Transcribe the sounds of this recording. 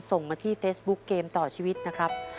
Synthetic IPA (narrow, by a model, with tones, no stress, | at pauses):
so˨˩ŋmaː˧t̪ʰiː˥˩feː˦˥sbu˦˥kːeː˧mt̪ɔː˨˩t͡ɕʰiː˧wi˦˥t̪̚na˦˥kʰɾa˦˥p̚